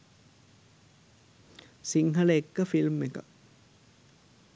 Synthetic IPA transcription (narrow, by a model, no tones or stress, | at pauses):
siŋɦɐləekːɐfilmːekɐ̰